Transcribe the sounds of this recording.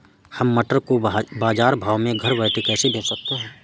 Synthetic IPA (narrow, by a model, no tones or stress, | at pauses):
hɐmːɐʈəɾkobaːd͡ʒaːɾbʱaːʋmẽɡʱɐɾʋɛːʈ̪ekɛːsebʱeːsɐk̚t̪aɦɛ̃ː